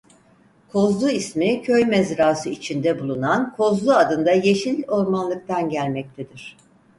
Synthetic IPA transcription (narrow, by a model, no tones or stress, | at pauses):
kʰo̞zlˠuismicʰø̞jmɛzɾaːsɯit͡ʃʰind̪ɛbulˠunankʰo̞zlˠuad̪ɯnd̪aje̞ʃilʲo̞ɾmanlˠɯk̚t̪ʰanɟælʲmɛc̚t̪ʰɛd̪iɾ̝̥